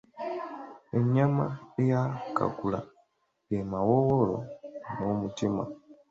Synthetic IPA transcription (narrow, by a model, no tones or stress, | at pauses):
eɲamaejaka̰kula̰ | jemawowolo̰nomutima̰